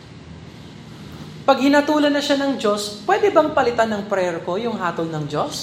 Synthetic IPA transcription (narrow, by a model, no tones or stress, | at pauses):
pɐɡ̚hɪnɐt̪uːlɐnːɐʃanɐŋd͡ʒo̞spwɛːd̪ɛbɐŋpɐlɪt̪anɐŋpɾɛɾko̞jʊŋɦaːt̪olnɐŋd͡ʒo̞s